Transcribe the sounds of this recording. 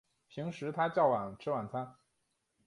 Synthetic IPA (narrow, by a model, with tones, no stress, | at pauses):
ɕi˧˥ŋʂɻ̩˧˥t̪ʰa˥t͡ɕjɑ˥˩ʊwa˨˩nʈ͡ʂʰɻ̩˥wa˨˩nt͡sʰa˥n